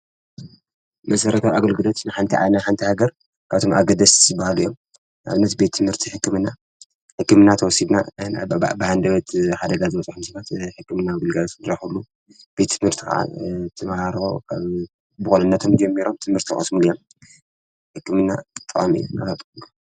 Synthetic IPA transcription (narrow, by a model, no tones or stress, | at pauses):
mɐsɐɾɐt̪ʰawaɡɐlɡɨlo̞t̪nɨħant̪ʰiʕa̰naħant̪ʰihaɡɐɾ | kʰaβt̪ʰomʔa̰ɡɐd̪ɐszɨbahaljom | a̰βɨnːɐt̪be̞t̪̚t̪ʰːɨmhɨɾt̪ʰiħɨkːɨmɨnːa | ħɨkːɨmɨnːat̪ʰɐwɔsid̪na̰ | bɨhand̪ɐβɐt̪ħad̪ɐɡazɨmɐt͡sʼħumsɐfat̪ħɨkːɨmɨnːaɡɐlɡɐlat̪ɨd̪ɾaħulːu | b̥e̞t̪ːt̪ːʰɨmhɨɾt̪ʰika̰ʕa̰t̪ʰɨmahaɾa̰wkʰaβ | bɨxunɐnːɐt̪ʰo̞md͡ʒɐmːiɾo̞mt̪ʰɨmhɨɾt̪ʰixʼɨ̰smulijom | ħɨkːɨmɨnːa̰t̪ʼɨχʼamḭjo̰naat̪ʼ